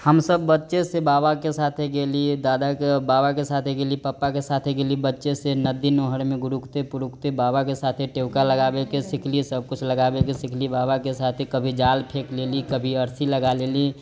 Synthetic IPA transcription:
həmsəbːətːʃesebabakesat̪ʰeɡelid̪aːd̪akebaːbakesat̪ʰeɡelipəpːakesat̪ʰeɡelibətːʃesenəd̪inoɦəɾmẽɡʊɾukt̪epʊɾukt̪ebaːbakesat̪ʰeʈeʊkaləɡaːbekesɪkʰlisəb̚kʊt͡ʃʰləɡabekesɪkʰlibabakesat̪ʰekəbʱid͡ʒalpʰeklelikəbʱiəɾsiləɡaleli

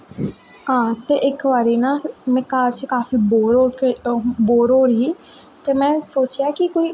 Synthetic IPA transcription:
ɦãːt̪eːʔɪkʋaːɾeːnaːlmɛ̃ːkaːɾt͡ʃkaːfiːboːɾoːkeboːɾoːɾɦiː | t̪eːmɛ̃ːsoːt͡ʃjaːkɪkoːiː

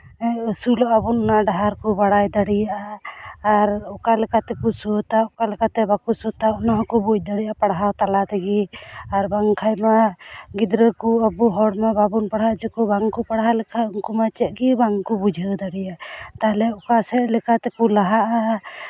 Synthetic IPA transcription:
sulɔʔabunɔnaɖaɦaɾkɔbaɽajd̪aɽijaʔaː | ɾɔkalɛkat̪ɛkusut̪aɔkalɛkat̪ɛbakusɔt̪aɔnaɦkɔbuc̚d̪aɽijaapaɽɦat̪alat̪ɛɡiaɾbaŋkʰajmaɡid̪ɾəkuabuɦɔɽmababunpaɽɦad͡ʒɛkɔbaŋkɔpaɽɦalɛkʰauŋkumat͡ʃɛʔ̪̚ɡibaŋkɔbud͡ʒʱəwd̪aɽijaʔt̪aɦɛlɛɔkasɛlɛkat̪ɛkulaɦaʔa

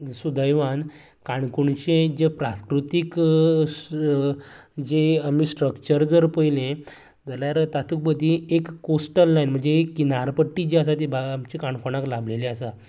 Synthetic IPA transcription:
sud̪ʱəjʋan | kaɳkuɳt͡ɕẽd͡ʑepɾãskɾut̪ik | d͡ʑeamisʈɾəkt͡ɕəɾd͡zəɾpəjlẽ | d͡zəljaɾt̪at̪ʰuk̚bəd̪ʱiekkːosʈəlːajnm̤əɳd͡zekːinaɾpəʈːid͡ʑeasat̪ibaamt͡ɕekaɳkoɽ̃aklablelẽəsa

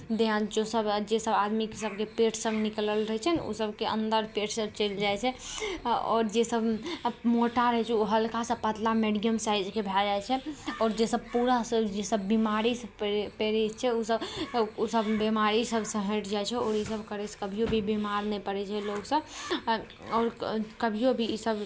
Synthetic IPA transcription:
d̪eãd͡ʒosəbd͡ʒesəbad̪mikesəb̚kepeʈʰsəbnikləlɾəɦɛt͡ʃʰɛno̰səbkeʔə̰̃nd̪əɾpeʈʰsəb̚t͡ʃəld͡ʒajt͡ʃʰɛ | ɔ̰ːɾd͡ʒesəbmoʈaɾəɦɛt͡ʃʰɛoɦəlkasə̃pət̪lameɖiəmsaid͡ʒkebʱɛld͡ʒajt͡ʃʰɛɔːɾd͡ʒesəb̚puɾasəd͡ʒesəbːimaɾispeɾit͡ʃʰɛosəbosəbbimaɾisəbʱsə̃ɦə̃ʈʰd͡ʒaɛt͡ʃʰɛɔːɾisəbkəɾɛskəbʱijobʱibimaɾnɛpəɾɛt͡ʃʰɛloɡsə̃ | ɔːɾkəbʱijobʱiisəb

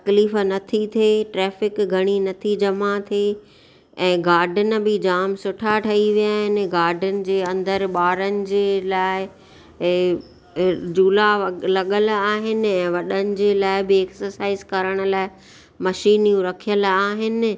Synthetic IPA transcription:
t̪ɐkliːf̆nɐt̪ʰit̪ʰeːʈɾɛːfɪkɡʱɐɽ̃inɐt̪ʰid͡ʑɐmat̪ʰe | ɛ̃ːɡaːɾɖʱənɪ̆bɪd͡ʑaːmsʊʈʰaʈʰɐiʋijaːɦɪnɪ̆ɡaːɾɖʱənɪ̆d͡ʑeːɐ̃nd̪əɾɓaːɾənɪ̆d͡ʑeːlaːɪ | d͡ʑuːlalɐɠəlaːɦɪnɪ̆ɛ̃ːʋɐɗənɪ̆d͡ʑeːlaːɪbɪeksəɾsaːɪzkɐɾəɽ̃ə̆laːɪ | mɐʃiːnijũɾɐkʰijəlaːɦɪnɪ̆

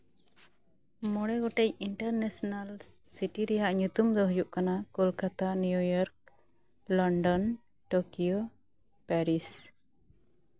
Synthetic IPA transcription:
mɔɽɛɡɔʈɛjiɳʈaɾnɛsɔnalsiʈiɾɛjaʔɲut̪umd̪ɔɦɔjuʔkanakɔlkat̪anujujɔɾk̚ | lɔɳɖɔn | ʈokijo | pɛɾis

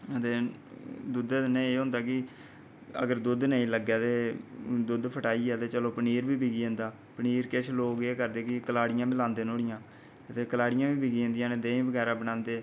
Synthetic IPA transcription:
ət̪eːd̪ʊd̪eːnəĩeːɦʊ̃nd̪aːkɪ | ə̰ɡəɾd̪ʊd̪nəĩːləɡɛːt̪eːd̪ʊd̪pʰəʈaːiːɛːt̪eːt͡ʃəloːpəniːɾbiːbiɡiːə̃ːnd̪aː | pəniːɾkɪt͡ʃʰloːɡeːkəɾd̪eːkɪkəlaːɽɪjãːbɪlãːnd̪eːnoːɽɪjãː | ət̪eːkəlaːɽɪjãːbiːbiɡĩnd̪ijãːneːd̪ẽːĩːbəɡɛːɾaːbənãːnd̪eː

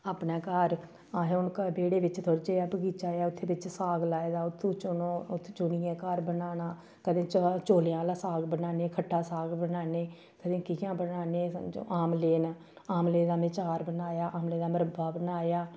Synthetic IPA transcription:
aːpnaːkəɾ | aːɦeʊnkəbeːɽeːʋɪt͡ʃt̪ʰoːɽt͡ʃeːaːbəɡiːt͡ʃaːjaːʊt̪ʰːeːbɪt͡ʃsaːɡlaːed̪aːʊt̪ʰːoːt͡ʃnoːʊt̪ʰːt͡ʃʊɽɪjɛ̃ːkəɾbənaːnaː | kəd̪ẽːt͡ʃt͡ʃoːljãːlaːsaːɡbənaːneːkʰəʈʰːaːsaːɡbənaːneː | kəd̪ẽːkɪjãːbənaːnḛːʔaːmleːn | aːmleːd̪aːʋɪt͡ʃaːɾbənaːjaːʔaːmleːd̪aːməɾəbaːbənaːjaː

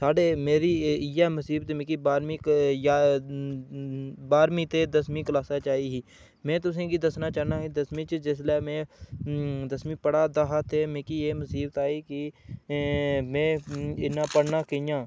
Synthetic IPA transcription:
saːɖeːmeːɾiɪjaməsiːbt̪ːmẽːkibaːɾmijaː | baːɾmĩt̪ed̪əsmĩkəlaːsaːt͡ʃaːiɦiː | mẽːt̪ʊs̬ẽːkid̪əsnaːt͡ʃaːnaːɦid̪əsmĩt͡ʃd͡ʒɪs̬lɛːmẽː | d̪əsmĩpəɽaːd̪aɦat̪emẽːkijeːməsiːbt̪aːiki | mẽɪnːaːpəɽnaːkəjãː

